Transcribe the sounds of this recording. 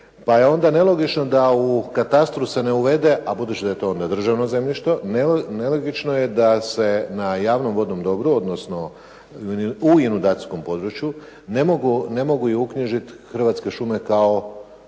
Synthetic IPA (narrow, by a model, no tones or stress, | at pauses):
pajeo̞nd̪ane̞lˠo̞ɡit͡ʃno̞d̪aukat̪ast̪ɾuse̞ne̞uʋe̞d̪e̞ʔabud̪ut͡ɕid̪aje̞t̪o̞o̞nd̪ad̪r̩ʒaʋnoze̞mʎʲiʃt̪ʋo̞neneloɡit͡ʃno̞je̞d̪ase̞najaːʋno̞mʋo̞d̪o̞md̪o̞bɾuo̞d̪nosno̞ | uinud̪at̪sko̞mpo̞d̪ɾut͡ʃju | nemoɡunemo̞ɡuiukɲiʒit̪xr̩ʋat̪ske̞ʃume̞kao̞